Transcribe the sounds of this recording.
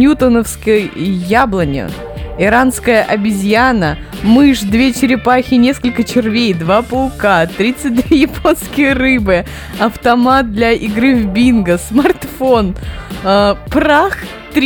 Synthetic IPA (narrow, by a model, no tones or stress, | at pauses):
nʲut̪ənəfskəjjablˠənʲɪ̰ | ɪɾanskəjəʔɐbʲɪzʲjanə | mɨʂd̪vʲet͡ɕɪɾʲɪpaxʲɪnʲe̞skəlʲkət͡ɕɪrvʲejd̪vapʊlˠkat̪ɾʲit̪sɨt̚ʲd̪vʲeejɪpo̞nskʲɪjəɾɨbɨ | ɐft̪ɐmat̪̚d̪lʲɐʔɪɡɾɨvbʲinɡəsmɐrt̪fo̞n | pɾax | t̪ɾʲ